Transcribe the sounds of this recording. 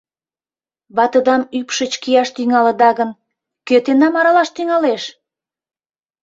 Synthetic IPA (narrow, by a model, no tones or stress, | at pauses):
βɑt̪ə̆d̪ɑmypʃət͡ɕkijɑʃt̪yŋɑlə̆d̪ɑɣən | køt̪enɑmɑɾɑlɑʃt̪yŋɑleʃ